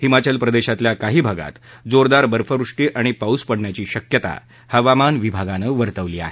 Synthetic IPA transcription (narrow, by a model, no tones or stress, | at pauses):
himat͡ɕəlpɾəd̪eɕat̪ljakaɦiːbʱaɡa̰t̪d͡zoɾd̪aɾbəɾfəɾuʂʈiːʔaɽ̃ipauspəɽɳjat͡ɕiːɕəkjət̪a̰ | həʋamanʋibʱaɡanəːʋəɾt̪əʋliːa̰ɦe